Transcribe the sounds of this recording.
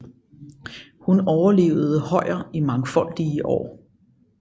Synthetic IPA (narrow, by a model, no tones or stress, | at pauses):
hunɒʊɐle̝̰ːʊð̞̩ˠəhɒ̽ɪ̰ɐimɑ̈ŋfɒ̽l̰d̥iəʔɒ̰ː